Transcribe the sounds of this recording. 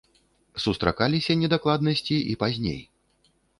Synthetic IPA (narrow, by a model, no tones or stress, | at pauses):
sust̪ɾa̰kalʲisʲɐnʲɛd̪aklˠad̪nɐsʲt͡sʲiipazʲnʲḛj